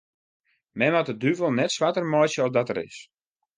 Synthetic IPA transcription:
mɛnɔtədyvəlˠnɛtsʋatərmɔjsjəɔfdɔtəɾɪ̰s

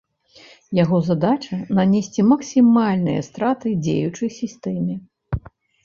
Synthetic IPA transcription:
jaɣɔzad̪at͡ʂɐnanʲesʲt͡sʲimɐksʲimalʲnɨjɐ̰st̪ɾat̪ɨd͡zʲḛjut͡ʂɐjsʲist̪ɛmʲi

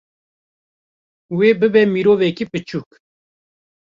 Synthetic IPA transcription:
weːbɨbɛmiɾoːvɛkipɨt͡ʃʰuːk

